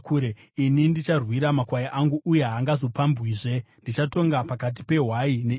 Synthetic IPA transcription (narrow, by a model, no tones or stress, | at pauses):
kːɾe | inindit͡ʃarwiɾamakwajaʔaŋɡuʔuje̞ɦaŋɡazo̞pambwiːʐe̞ndit͡ʃato̞ŋɡapakat̬i̥pe̞ɦwaine